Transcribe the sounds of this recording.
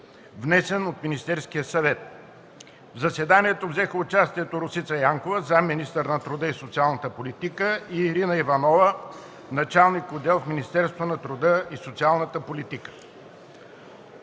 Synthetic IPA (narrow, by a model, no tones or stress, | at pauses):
vnɛsɛnot̪minist̪ɛɾskijəsɐvɛt̪̚ | vzɐsɛd̪aniɛt̪ovzɛxəʊt͡ʃast̪iɛt̪oɾʊsit̪sɐjaŋkovəzaminist̪əɾnɐt̪ɾʊd̪əisot̪sialˠnət̪əpolʲit̪ikəiːɾinəivɐnɔvə | nɐt͡ʃalˠnikʊd̪ɛlˠfminist̪ɛɾst̪vonɐt̪ɾʊd̪əisot̪sialˠnət̪əpolit̪ikə̥